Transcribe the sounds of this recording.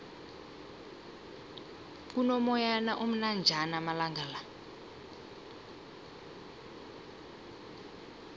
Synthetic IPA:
kunɔmɔjanaʔom̩nand͡ʒʱanamalaŋɡʱala

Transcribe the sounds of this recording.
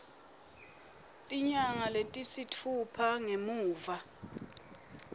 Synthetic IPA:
tʼiɲaŋalentʼisitʰupʰaŋemuːva

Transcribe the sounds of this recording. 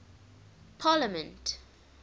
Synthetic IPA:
pʰaːləmə̃nt

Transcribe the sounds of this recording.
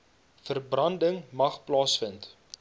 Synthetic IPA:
fərbrɐndəŋmɐχplɑːsfənt

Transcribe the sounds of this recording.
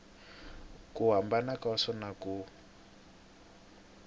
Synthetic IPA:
kuɦambanakaɔsɔnaku

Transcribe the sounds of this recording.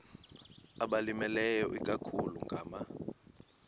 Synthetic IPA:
aɓalimɛlɛjɔʔik̬ʼakʰuluŋɡʱaːma

